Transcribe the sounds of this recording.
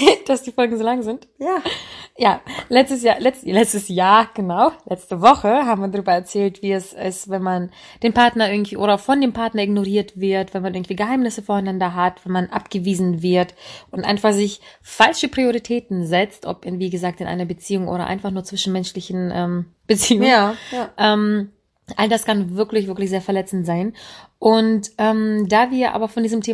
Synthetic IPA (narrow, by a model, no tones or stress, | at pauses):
d̥asd̥iːfɔlɡŋ̩zoːlaŋzɪntjaːjaːlɛt͡stəsjaːlɛt͡stlɛt͡stəsjaːɐɡ̥ənaʊlɛt͡stəvɔχəɦaːbm̩viːɐdaʁyːbɐɛɐt͡sɛːltv̥iːɛsɛsvɛnman | d̥eːmpaɐtnɐʔɪɐɡŋ̩tv̥iːʔoːɾɐʊxfɔndeːmpʰaɐtnɐɪɡnoʁiːɐtv̥ɪɐtv̥ɛnmanʔɪɐɡŋ̩tv̥iːɡəɦaɪmnɪsəfɔːɐaɪnandɐɦatv̥ɛnmanʔa̰pɡ̥əviːzn̩vɪɐtʔʊntʔa̰ɪnfaχz̥ɪçfalʃəpʁ̥ioʁitʰɛːtn̩zɛt͡stʔɔ̰pviːɡəzaːk̚tɪnʔa̰ɪnɐbət͡siːʊŋʔo̰ːɾɐ̰ʔa̰ɪnfaχnuːɐt͡sv̥ɪʃn̩mɛnʃlɪçn̩ʔɛːm | b̥ət͡siːʊŋəʔɛːm | ʔaldaskanvɪɐklɪçv̥ɪɐklɪçzeːɐfɛɐlɛt͡sn̩tz̥aɪnʔʊntʔɛːmd̥aːviːɐʔa̰ːbɐfɔndiːzəmtʰeː